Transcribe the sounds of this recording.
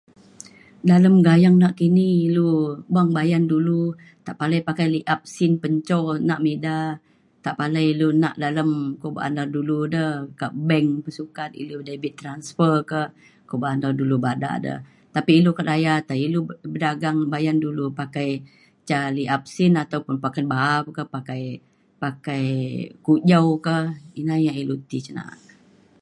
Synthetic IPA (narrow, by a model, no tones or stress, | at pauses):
daləmɡajaŋnaʔkiniilubuaŋbajandulu | t̪aʔpaləjpakajliʔap̚sinpəɲt͡ʃɔnaʔmeda | t̪aʔpaləjluna̰ʔdaləmkoba̰ʔa̰naduludəkəʔbɛŋpəsukat̪̚ḭludajbɪt̪ːɾansfərkə | kobaʔanɔdulubada̰ʔdə̰h | t̪apiːlukatajat̪ailubədaɡaŋbajandulupakaj | t͡ʃaliap̚sinat̪awpʊnpakanbaap̚kəhpakaj | pakajkud͡ʒawkəhinajailut̪it͡ʃəna̰a̰